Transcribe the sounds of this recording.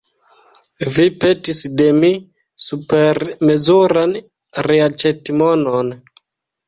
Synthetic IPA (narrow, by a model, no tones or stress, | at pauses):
vipe̞tisde̞mi | supe̞ɾme̞zuɾan | ɾeat͡ʃetimonon